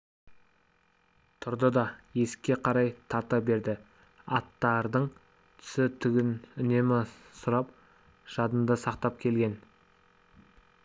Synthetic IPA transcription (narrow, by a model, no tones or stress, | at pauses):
t̪ʰʊɾd̪əd̪ɑje̞sɪ̥kʲːe̞qʰɑɾɑjt̪ʰɑt̪əbe̞ɾd̪ɪ | ɑt̪ːɑɾd̪əɴ | t̪ʰʏ̥sɪt̪ʰʏɡʲɪnʏne̞mɪsʊɾɑp | ʒ̥ɑd̪ənd̪əsɑqt̪ɑpkʲʰe̞lɡʲe̞n